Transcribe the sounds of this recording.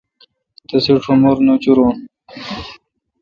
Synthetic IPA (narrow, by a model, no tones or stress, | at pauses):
t̪ɐsiʈ͡ʂʰomoɾnot͡ɕuɾon